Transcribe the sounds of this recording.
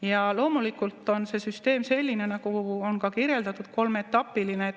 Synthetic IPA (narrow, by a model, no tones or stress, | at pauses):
jɑlo̞ːmulikult̪ːˑo̞nse̞syst̪e̞ːmse̞lʲːine̞nɑkuo̞nkɑkiɾje̞ld̪ɑt̪ːˑud̪̥ko̞lme̞t̪ːˑɑpːˑiline